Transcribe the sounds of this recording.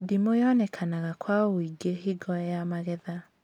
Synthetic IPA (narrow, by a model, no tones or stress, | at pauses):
dimojɔnɛkʰanaɣakwaoiɡeɦiɡɔjamaɣɛða